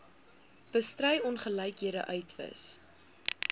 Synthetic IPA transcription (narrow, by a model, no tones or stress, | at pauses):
b̥əstrəjɔnχəlɛjkɦiəɾə̰ʔœɥtvə̰s